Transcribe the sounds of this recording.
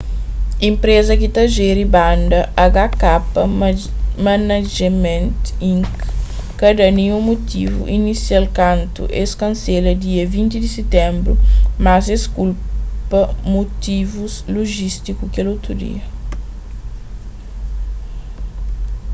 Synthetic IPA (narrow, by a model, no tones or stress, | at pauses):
ĩmpɾezɐkit̪ɐʒeɾibãnd̪ɐʔaɡakapɐ | manaʒemẽnt̪ĩŋkː | ɐd̪ɐnĩũmot̪ivṵʔinisialkãnt̪ṵʔeskɐ̃nselɐd̪iɐvĩnt̪id̪iset̪ɛ̃mbɾṵmazeskulpɐmot̪ivuzloʒist̪ikukelowt̪ɾud̪ḭɐ